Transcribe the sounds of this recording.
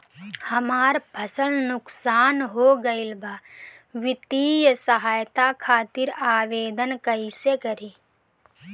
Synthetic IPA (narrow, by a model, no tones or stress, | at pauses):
hɐmaːɾpʰəsəlnʊksaːnɦoɡəɪlbʱaː | ʋɪt̪iːjsəɦaːjt̪akʰaːt̪ɪɾaːʋeːd̪ənkəisekəɾiː